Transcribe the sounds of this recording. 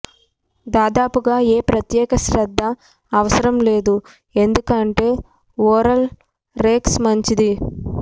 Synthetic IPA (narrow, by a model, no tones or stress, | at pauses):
d̪aːd̪aːpuɡaːeːpɾɐt̪jɛːkɐʃɾɐd̪ʱːɐː | ʋɐsɐɾɐmle̞ːd̪u | e̞nd̪ukɐɳʈe̞ː | oːɾɐl | ɾeːksmɐɲt͡ʃid̪i